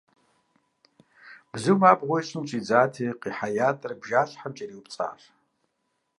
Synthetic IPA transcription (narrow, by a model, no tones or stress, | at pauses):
b̥zɨmaːbʁʷʊjɕʼɪmt͡ʃʼiːd͡zaːtʰiːqiːħajaːtʼɐrbʒaːɬħamt͡ʃʼɐɾiːwupt͡sʼa̰ːr